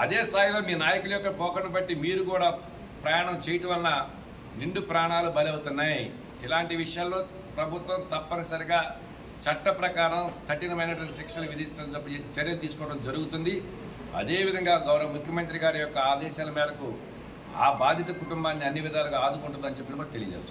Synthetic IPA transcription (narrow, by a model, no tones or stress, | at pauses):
ɐd̪e̞ːst̪aːjilo̞ːmiːnaːjɐkulɐjɔkːɐpɔːkɐɳːɐbɐʈːimiːɾukuːɽaː | pɾɐjaːɳɐmt͡ʃɛːjiʈɐʋɐlɐnɐ | niɳɖupɾaːɳaːlubɐliɐwut̪unːaːji | ilaːɳʈiʋiʂɐjaːllo̞ː | pɾɐbʱut̪ʋɐmt̪ɐpːɐnɐsɐɾiɡaː | t͡ʃɐʈːɐpɾɐkaːɾɐmt̪ʰɐʈinɐmɐjnɐʈɐlsekʂɐluʋid̪ist̪ɐɐd͡ʒɐpːt͡ʃɐɾjɐlut̪iːsukɔːɐɽɐmd͡ʒɐɾuɡut̪und̪i | ɐ̰d̪e̞ːʋid̪ʱɐŋɡaːɡɐwɾɐʋɐmukʰjɐmɐnt̪ɾiɡaːɾijɔkːɐaːd̪ɛːʃaːlɐmɛːd̪ɐku | a̰ːbaːd̪ʱjɐt̪ɐkuʈumbaːnːiɐnːiʋid̪ʱaːlɐɡaaːd̪ukuɳʈund̪ɐnt͡ʃepːinimɐːkt̪elḭjɐd͡ʒḛːst̪ː